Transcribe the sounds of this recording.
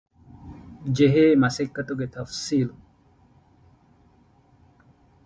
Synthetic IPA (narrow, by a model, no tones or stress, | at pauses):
d͡ʒeɦeːmɐsikːɐt̪uɡet̪ʰɐfsiːl